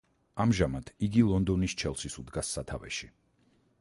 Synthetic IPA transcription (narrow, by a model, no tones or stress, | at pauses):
amʒamat̪ʰiɡilˠɔnd̪ɔnist͡ʃʰɛlˠsisud̪ɡasːat̪ʰavɛ̰ʃi